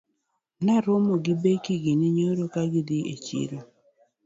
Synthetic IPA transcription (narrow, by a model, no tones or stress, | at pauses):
naɾomoɡibekiɡiniɲoɾokaɡidiʔḛt͡ʃḭɾo